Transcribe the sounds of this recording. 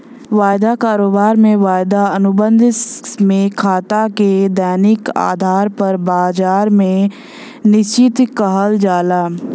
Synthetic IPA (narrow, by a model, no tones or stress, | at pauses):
ʋaːjd̪akaːɾoːbaːɾmẽʋaːjd̪aənʊbə̃nd̪ʱɪsmẽkʰaːt̪aked̪ɛːnɪka̰ːd̪ʱaːɾpɐɾbaːd͡ʒaːɾmẽ | nɪst͡ʃɪt̪kəɦəld͡ʒaːlaː